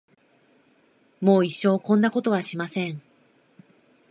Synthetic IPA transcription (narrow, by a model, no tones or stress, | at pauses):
mo̞ːiɕːo̞ːkõ̞nːako̞t̪o̞β̞aɕimasẽ̞ŋ